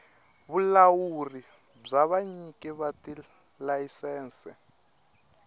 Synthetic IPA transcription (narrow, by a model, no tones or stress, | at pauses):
βulawuri | b͡ʐaβaɲikʼɛβati | lajisɛːnsɛ̰